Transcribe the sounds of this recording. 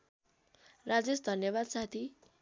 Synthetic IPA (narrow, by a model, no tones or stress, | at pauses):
rad͡zesd̪ʱʌnjʌβad̪sat̪ʰi